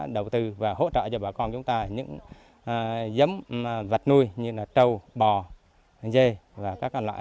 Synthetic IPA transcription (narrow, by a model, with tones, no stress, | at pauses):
ɗə˨˩wt̪ɨ˧˩vaː˨˩ho̰˧˥t͡ɕə̰ː˧˨t͡ɕɔ˧ɓaː˨˩kɔ˧nt͡ɕʊ˨˦ŋ͡mt̪aː˧ɲɨ̰˧˥ŋ˨˩ | zə˨˦m˨və˨˩t̚nu˧jɲɨ˧laː˨˩t͡ɕə˧wɓɔ˨˩ | ze˧vaː˨˩kaː˦˥kːɔ˧nlwa̰ː˧˨